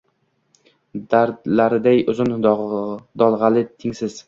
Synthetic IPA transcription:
d̪aɾd̪laɾɪd̪ajʊzɪn | d̪ɒlˠʁɑlɪt̪ʰɪŋsɪz̥

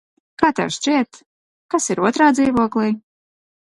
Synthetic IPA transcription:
kaːt̪a̰wsʃt͡ʃʲiɛt̪ | kasiɾuɔt̪ɾaːd̪ziːvuɔklˠiː

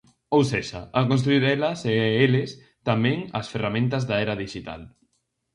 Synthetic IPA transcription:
owseʃaakonst̪ɾuiɾɛlɐseeles | t̪amɛ̃ŋɐsferamẽnt̪azðaɛɾaðiʃit̪a̰l

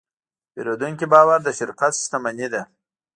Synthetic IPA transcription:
peɾod̪uŋkʲibɑːwaɾd̪əʃɪɾqat̪sʃt̪amanid̪a

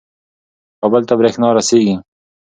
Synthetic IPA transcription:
ɐbɐlt̪ɐbɾeːxnɑːɾɐseːɡi

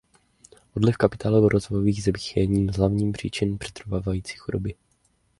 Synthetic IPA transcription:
ʔodlɪfkapɪt̪ʰaːlovoɾʔozvojoviːɣzɛbiːxjɛɲiːmzɦlavɲiːmpr̝̥ḭːt͡ʃɪnpr̝̥ɛ̥t̪ɾovaːvajiːt͡si̥ːxudobɪ

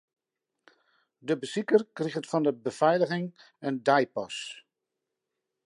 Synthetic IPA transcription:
dəbəsikərkrixətfɔndəbəv̥ɛjləɣɪŋ | əndajpɔs

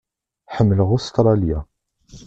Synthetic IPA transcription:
ħəmːələʁʊst̪ɾˤɑlja

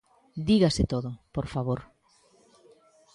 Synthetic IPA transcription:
d̪iɣasɪt̪oðopoɾfaβoɾ

